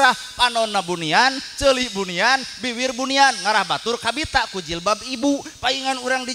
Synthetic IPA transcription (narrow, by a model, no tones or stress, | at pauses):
ah | panɔnːabuniant͡ʃəlibunianbiwirbunianŋaɾahbat̪urkabit̪akud͡ʒilbabibupaiŋanuɾaŋdi